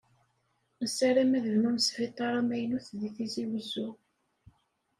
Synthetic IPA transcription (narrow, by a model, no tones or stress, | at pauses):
əsːæɾæmæðəvnunsfit̪ˤːɑɾˤɑmæjnuθðiθiziwəzʊ